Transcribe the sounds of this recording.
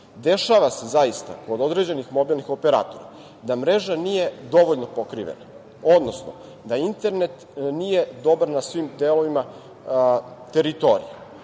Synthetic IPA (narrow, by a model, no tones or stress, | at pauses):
d̪e̞ʃaʋasezajist̪a̰ko̞d̪o̞d̪ɾed͡ʑe̞nixmo̞bilnixo̞peɾa̰ːt̪oɾa̰ | d̪amɾeʒanije̞d̪o̞ʋoʎno̞po̞kɾḭʋḛna | o̞d̪nosno̰ | d̪aint̪e̞ɾne̞t̪ | nije̞d̪o̞baɾnasʋimd̪eːlo̞ʋima | t̪e̞ɾit̪o̞ɾḭje